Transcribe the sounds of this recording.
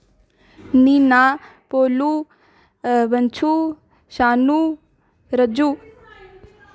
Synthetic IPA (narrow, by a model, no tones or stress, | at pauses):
nina | poːlu | ʋɐnt͡ʃʰu | ʃaːnu | ɾəd͡ʒuː